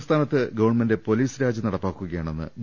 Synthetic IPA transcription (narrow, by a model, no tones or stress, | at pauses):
st̪ʰaːnɐt̪ːɨɡɐʋɐrɳmende̞po̞liːsɾaːd͡ʑɐnɐɽɐpːaːkːuɣɐjaːɳo̞nːɨ̰b